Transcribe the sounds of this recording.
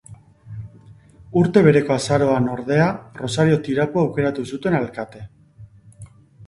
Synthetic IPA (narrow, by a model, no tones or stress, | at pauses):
uɾt̪e̞β̞e̞ɾe̞ko̞asaɾo̞ano̞ɾðe̞aro̞saɾio̞t̪iɾapoawke̞ɾat̪usut̪e̞nalkat̪e̞